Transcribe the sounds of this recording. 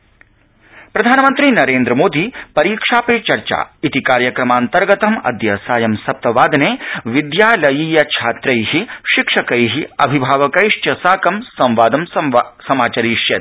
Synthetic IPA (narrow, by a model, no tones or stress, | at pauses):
pɾɐd̪ʱaːnɐmɐnt̪ɾiːnɐɾeːnd̪ɾɐmoːd̪iːpɐɾiːkʂaːpeːt͡ʃɐɾt͡ʃa̰ːit̪ikaːɾjɐkɾɐmaːnt̪ɐɾɡɐt̪ɐmɐ̰d̪jɐsaːjɐmsɐp̚t̪ɐʋaːd̪neːʋid̪jaːlɐjiːjɐt͡ʃʰaːt̪ɾɐjɦiʃikʂɐkɐjɦiɐ̰bʱibʱaːʋɐkɐjʂt͡ʃɐsaːkɐmsɐ̃mʋaːd̪ɐmssɐmaːt͡ʃɐɾiːʃjɐt̪̚